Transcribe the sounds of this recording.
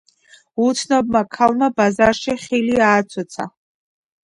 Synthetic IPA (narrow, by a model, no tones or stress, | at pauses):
ut̪ʰnɔbmakʰalmabazaɾʃiχiliaːt͡sʰɔt͡sʰa̰